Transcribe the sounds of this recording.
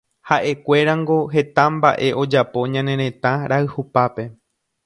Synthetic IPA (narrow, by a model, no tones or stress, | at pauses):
haʔe̞kʷe̞ɾãŋɡo̞ɦe̞t̪ãmba̰ʔe̞ʔo̞d͡ʒapo̞ɲãnẽ̞ɾẽ̞t̪ãɾaɨhupape̞